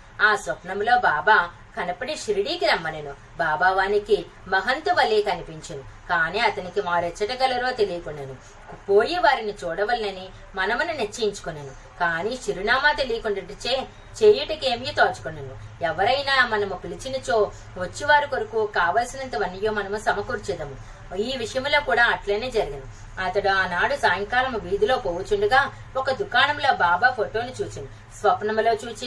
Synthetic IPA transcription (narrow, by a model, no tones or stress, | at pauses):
aːsɔpnɐmlo̞ːbaːbaː | kɐnɐpɐniʃɾiɽiːkiɾɐmːɐlɐnu | baːbaːʋaːniki | mɐɦɐnt̪uʋɐlːiːkɐnipiɲt͡ʃɐnukaːniːɐt̪ɐnikimaːɾɛt͡ʃːɐʈɐɡɐlɐɾoːt̪e̞lijɐkunːɐnu | poːjiʋaːɾinit͡ʃuːɽɐʋɐlinɐni | mɐnɐmununet͡ʃːɐiɲt͡ʃu̥kunːɐnu | kaːniːʃiɾinaːmaːt̪e̞lijɐkuɳɖɐʈit͡ʃeː | t͡ʃeːjuʈɐkeːmijot̪aːt͡ʃu̥kunːɐnuɛʋɐɾɐjnaːmɐnɐmupilit͡ʃinɐt͡ʃo | ʋɐt͡ʃːiʋaːɾikoɾukukaːʋɐlsinɐnt̪ɐʋɐnːijoːmɐnɐmusɐmɐkuːɾt͡ʃid̪ɐmu | iːʋiʂɐjɐmulo̞ːkuːɽaːɐʈlɐːneːd͡ʒɐɾiɡɐnu | ɐt̪ɐɽuaːnaːɽusaːjɐŋkaːlɐmuʋiːd̪ilo̞ːpoːʋut͡ʃuɳɖuɡaː | ɔkɐd̪ukaːnɐmloːbaːbaːpʰoʈo̞ːnit͡ʃuːt͡ʃini | sʋɐpɐnɐmlo̞ːt͡ʃuːt͡ʃi